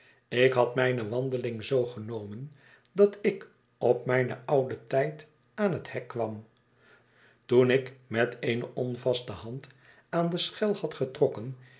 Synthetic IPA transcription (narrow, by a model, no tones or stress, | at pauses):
ɪkɦɑtmɛjnəʋɑndəlɪŋzowχənowmən | dɑtɪk | ɔpmɛjnə̰ʔʌwdətɛjt | aːnɦəthɛkːʋɑm | tunɪkmɛteɪjnəʔɔnvɑstəhɑnt | aːndəsχɛlˠhɑtχətrɔkən